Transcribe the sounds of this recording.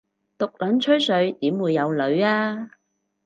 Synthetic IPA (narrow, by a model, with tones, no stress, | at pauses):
t̪ʊ˨k̚lɐ˨˥nt͡ʃʰɵ˥ɥsɵ˨˧ɥt̪iː˨˥mwuː˨˧jːɐ˨˧wlɵ˨˧ɥaː˥